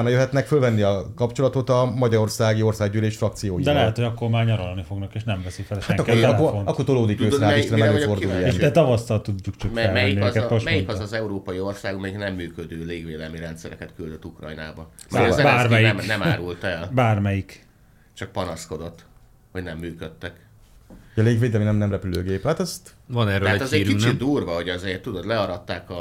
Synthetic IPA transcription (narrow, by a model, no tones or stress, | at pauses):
nɒjøɦɛt̪nɛkfølvɛnːiɒkɒpt͡ʃo̞lɒt̪o̞t̪ɒmɒɟɒɾo̞rsaːɡio̞rsaːɡɟyleːʃfrɒk̚t̪sijoːjid̪ɛlɛɦɛt̪hoɒkːo̞rmaːrɲɒɾolnifo̞ɡnɒkeːʃnɛɱvɛsifɛlhʃaɛŋkːooonɒkːort̪oloːd̪ikøːkaːiɾɛmɛɡoord̪ulijɛeʃd̪ɛt̪ɒvɒst̪ɒlt̪uɟːukt͡ʃɒkɛlɛjinːiɛzkɛmoʃmɛjinkɒɒzɛuɾoːpɒjio̞rsaːɡmɛjiknɛmːyːkød̪øːleːɡveːlɛlmiɾɛnt̪sɛɾɛkɛt̪kyld̪øt̪ːukrɒ̰jna̰ːbɒmɛbaːmɛjiɛmnɛmaːɾult̪ɛlbaːrmɛjik | t͡ʃɒk̚pɒnɒsko̞d̪o̞t̪ː | hoɟnɛmːyːkøt̪ːɛk | ɒleːɡʋeːd̪ɛlminɛmnɛmrɛpyløːɡeːpaːt̪ɛst̪ | vɒnɛrːøːɛalɛɛziːɾyit͡ʃid̪uːrʋɒho̞ɟɒzeːt̪ud̪od̪lɛɒɾɒt̪ːaːkɒ